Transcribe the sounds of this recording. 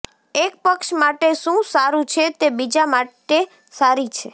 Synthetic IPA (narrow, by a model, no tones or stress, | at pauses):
ek̚pəkʃmaʈeʃũsaɾũt͡ʃʰet̪ebid͡ʒamaʈe | saɾit͡ʃʰe